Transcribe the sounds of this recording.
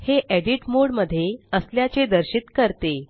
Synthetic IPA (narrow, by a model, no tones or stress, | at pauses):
heʔeɽiʈmoɽməd̪ʱːjeəsljat͡sed̪əɾɕit̪kəɾt̪e